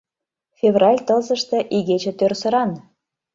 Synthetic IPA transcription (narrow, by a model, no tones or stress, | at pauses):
fʲevrɑlʲt̪ɤ̆lzɤ̆ʃt̪ɤ̆ʔiɣet͡ɕĕt̪ørsə̆ɾɑn